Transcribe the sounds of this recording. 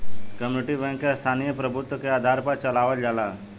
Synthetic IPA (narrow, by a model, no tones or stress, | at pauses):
kəmjuɪʈibɛ̃ŋkːest̪ʰaːnijəpɾəbʱʊt̪wəkeaːd̪ʱaːɾpəɾt͡ʃəlaːʋəld͡ʒaːla